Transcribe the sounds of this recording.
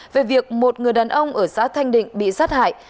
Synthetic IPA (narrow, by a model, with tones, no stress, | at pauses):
ve˨˩vi˨˩ək̚mo˨˩t̚ŋɨ˨˩əjɗaː˨˩nʔə˧wŋ͡mʔəː˧˩saː˨˦t̪ʰa˧jŋ̟ɗḭ̈˧˨ŋ̟ɓḭ˧˨saː˦˥t̚ha̰ː˧˨j